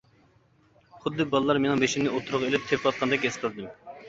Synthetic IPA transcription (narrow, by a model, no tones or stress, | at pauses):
χʊd̪ːɨbɑlˠɨlˠɑɾmenɪŋbeʃimnɪot̪ʰuɾʊʁelɪp̚t̪ʰepʰwɑt̪̚qʰɑnd̪ɛkʲesqʰəlˠɨd̪ɨm